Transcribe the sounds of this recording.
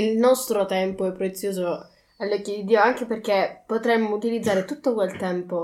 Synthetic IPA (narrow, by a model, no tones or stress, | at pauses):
ilnɔst̪ɾot̪ɛmpoɛpːɾet̪sːjoːzo | alːokːod̪id̪iːoaŋk̟eperk̟epːot̪ɾemːout̪ilid̪zːaːɾet̪ut̪ːokwelt̪ɛmpo